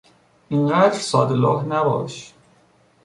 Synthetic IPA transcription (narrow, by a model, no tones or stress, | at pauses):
ʔiɴɢæːd̪ɾsɒːd̪elɒːɦnæbɒ̰ːʃ